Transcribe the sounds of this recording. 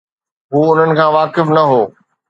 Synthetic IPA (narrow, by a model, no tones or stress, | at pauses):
ɦuːʊn̤ənɪ̆kʰãːʋaːkɪfnɐɦoː